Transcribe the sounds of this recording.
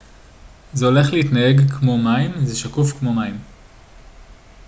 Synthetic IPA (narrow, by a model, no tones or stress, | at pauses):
zeo̞le̞χleitnae̞ɡkʰmomaimzeʃakufkmo̞maim